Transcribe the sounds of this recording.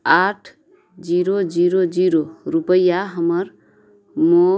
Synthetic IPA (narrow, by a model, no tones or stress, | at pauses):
aʈʰ | d͡ziɾod͡ziɾod͡ziɾorupʌjːaɦʌmʌr | mo